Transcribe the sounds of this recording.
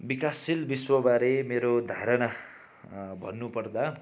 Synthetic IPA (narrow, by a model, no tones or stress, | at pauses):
bikasilbiswʌbaɾemeɾod̪ʱaɾʌna | bʱʌ̰nːupʌrd̪a